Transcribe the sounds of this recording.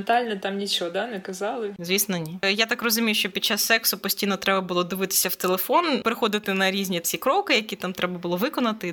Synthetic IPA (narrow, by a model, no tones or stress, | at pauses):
nt̪alʲnɛt̪amnʲit͡ʃɔɦɔd̪anɛkɐzɑlˠɪzʲʋʲisnɔnʲijat̪akrɔzʊmʲijʊʃt͡ʃɔpʲid̥̪̚ʲt͡ʃːasːɛksʊpɔsʲtʲijnɔt̪ɾɛbɐbʊlˠɔd̪ɪʋɪt̪ɪ̥sʲɐwt̪elˠefonpeɾɪxɔd̪ɪt̪ɪnɐɾʲizʲnʲit͡sʲikɾɔkɪjɐkʲit̪amt̪ɾɛbɐbʊlˠɔʋɪkɔnɐt̪ɪ